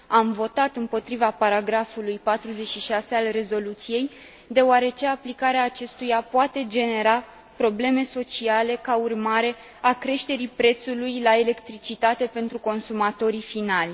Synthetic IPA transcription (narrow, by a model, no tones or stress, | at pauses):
amvo̞t̪at̪ɨmpo̞t̪ɾivapaɾaɡɾafulujpat̪ɾuze̞t͡ʃʃiʃase̞alre̞zo̞lut̪sije̞j | d̪e̞oaɾe̞t͡ʃe̞aplikaɾeaːt͡ʃe̞st̪ujapoat̪e̞d͡ʒe̞ne̞ɾa | pɾo̞ble̞me̞so̞t͡ʃiale̞kaurmaɾe̞ | akɾe̞ʃt̪e̞ɾipɾe̞t̪sulujlaele̞kt̪ɾit͡ʃit̪at̪e̞pe̞nt̪ɾuko̞nsumat̪o̞ɾifinalʲ